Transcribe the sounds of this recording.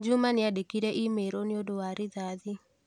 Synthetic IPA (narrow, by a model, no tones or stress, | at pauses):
d͡ʒumanɪadekiɾeʔimeɾonɪodoaɾɪðaðɪ